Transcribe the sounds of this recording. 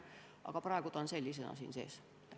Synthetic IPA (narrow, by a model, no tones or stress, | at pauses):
ɑ̰ɡ̥ɑprɑˑeɡ̥ut̪onselʲːis̬enɑ̰sḭːnsḛːs